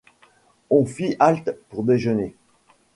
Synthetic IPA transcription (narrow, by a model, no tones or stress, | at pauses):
ɔ̃fiʔalt̪puʁd̪eʒəne